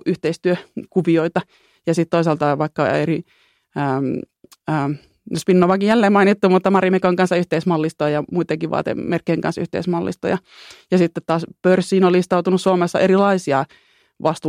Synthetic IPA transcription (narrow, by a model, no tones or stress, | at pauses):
yht̪eist̪yøkuʋioit̪ɑ | jɑsit̪t̪oisɑlt̪ɑʋɑikːɑeri | əːm | əː | nospinːoʋɑkijælːeːmɑinit̪ːumut̪ːɑmɑɾimekoŋkɑnsːɑyht̪eismɑlːist̪ojɑjɑmuit̪eŋkiʋɑ̰ːt̪ḛmerkːejŋkɑ̰nsyht̪ḛismɑlːḭst̪o̰jɑjɑsit̪ːet̪tɑːspørsːiːnolist̪ɑut̪unussuomesːɑ̰ʔeɾilɑisiɑ | ʋɑst̪ː